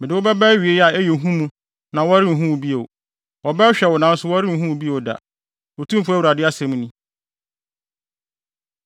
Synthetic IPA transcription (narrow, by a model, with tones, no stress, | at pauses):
mɪ̃˨dɪ˨˦wʊ˦bɛ˦bɛ˦ɥi˨e˦ja˨ɛ˦je˨ɦũ˦mũ˦ | nã˨wɔ˦a˦ɾɪ˦m̩˨ɦũ˦wbi˦e˨ | wɔ˨bɛ˦ɕᶣɛ˨wɔ˨nã˨˦n̩˦sʊ˦wɔ˦ɾɪ˦m̩˨ɦũ˦wbi˦o˨wda̰˨ | wo˨tʰũ˦m˦fu˦æ˦wu˨ɾa˨dɪ˦a˦sɛ̃˦m̃˦nĩ˦